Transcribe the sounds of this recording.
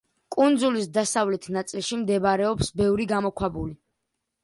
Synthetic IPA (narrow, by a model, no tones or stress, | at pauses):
kʼund̪zulisd̪asavlɛt̪ʰnat̪sʼilˠʃimd̪ɛbaɾɛɔpsbɛvɾiɡamɔkʰwabuli